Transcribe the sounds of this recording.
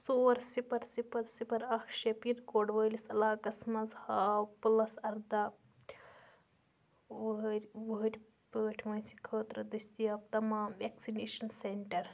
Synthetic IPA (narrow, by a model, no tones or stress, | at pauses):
soːɾsipɐɾsipɐɾsipɐɾɐkʰʃepiɾkoːɖʋəːlisɐlaːkɐsmɐzhaːpɨlɐsɐɾd̪a | ʋɾʲʋɐɦɐɾʲ | pəːʈʰmɐnsi̥kʰəːt̪ɾɐd̪ɨsʲt̪ijɐp̚t̪ɐmaːʋeksineːʃɐnseɳʈɐɾ